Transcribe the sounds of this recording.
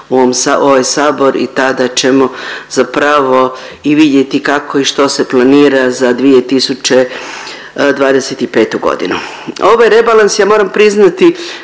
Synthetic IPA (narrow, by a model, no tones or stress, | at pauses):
uoomsao̞ʋajsaːbo̞ɾḭt̪ad̪at͡ʃe̞mo̞z̥apɾaʋo̞ | iʋid̪je̞t̪ikakʰo̞iʃt̪o̞se̞plˠaniːɾazad̪ʋije̞t̪isut͡ʃe̞ | d̪ʋaːd̪eset̪ipe̞ːt̪uɡo̰d̪ḭnu | o̞ʋojeɾe̞balˠansjaːmo̞ːɾampɾiznat̪i